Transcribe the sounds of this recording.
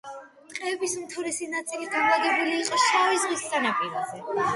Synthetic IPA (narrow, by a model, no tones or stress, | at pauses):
t̪ʼqʼɛɛbismt̪ʰuɾɛsinat̪sʼilid̪amad̪ɛbuliːqʼɔʃavizʁisːanapʼiɾazɛ